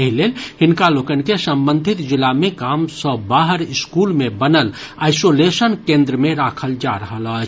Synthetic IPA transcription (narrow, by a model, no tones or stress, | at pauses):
əɦileːlhɪnkaloːkənkesə̃mbə̃nd̪ʱɪt̪d͡ʒɪlamẽkaːmsə̃baːɦəɾɪskuːlmẽbənəl | aːɪsolesənkẽːnd̪ɾəmẽɾaːkʰəld͡ʒaɾəɦəlat͡ʃʰ